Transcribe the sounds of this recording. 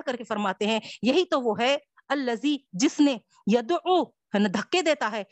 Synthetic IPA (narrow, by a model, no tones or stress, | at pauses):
kɐɾkefəɾmaːt̪eɦɛ̃jɐɦit̪oʋoɦɛ | ɐlːəziːd͡ʒɪsne | jɐd̪u | nɐd̪ʱəkːed̪eːt̪aɦɛː